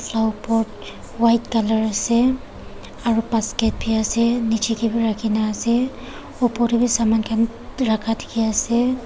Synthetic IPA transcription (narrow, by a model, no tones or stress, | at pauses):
pʰlawpɔɹt | wajtkalaɹasɛ | aɹupaskɛt̚pʰiasɛnit͡ʃikibiɹakʰinaːsɛ | ɔpɔtibisamankʰan | ɹakʰatʰi̥kʰiasɛ